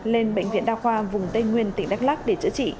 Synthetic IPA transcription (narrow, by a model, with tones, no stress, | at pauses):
le˧nɓə̰˧˨jŋ̟vḭ˧ənɗaː˧xwaː˧vʊ˨˩ŋ͡mt̪e˧jŋwi˧ənt̪ï˧˩ŋ̟ɗa˦˥k̚laː˦˥k̚ɗe˧˩t͡ɕɨ̰˧˥t͡ɕḭ˧˨